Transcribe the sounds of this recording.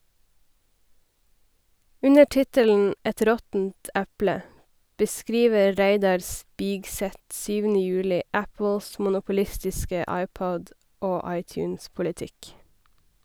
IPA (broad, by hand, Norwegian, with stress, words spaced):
ˈʉnə ˈtɪtəln̩ ˈɛt ˈɾɔtn̩t ˈʔæplə bəˈskɾiːʋə ˈɾæɪdɑɾ ˈspɪɡˌsɛt ˈsyːʋənə ˈjʉːlɪ ˈʔæpl̩s mʊnʊpʊˈlɪstɪskə ˈɑɪˌpɔd ˈoː ˈɑɪˌtjʉːnspʊlɪˌtɪk